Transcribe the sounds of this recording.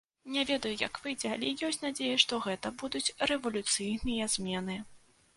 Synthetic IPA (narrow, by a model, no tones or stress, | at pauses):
nʲɛvʲɛd̪ɐjujɐ̰kvɨjd͡zʲɛa̰lʲɛjɔsʲtʲnad͡zʲejɐʂt̪ɔɣɛt̪ɐbud̪ut͡sʲrɛvɐlʲut̪sɨjnɨjɐzʲmʲɛn̪ɨ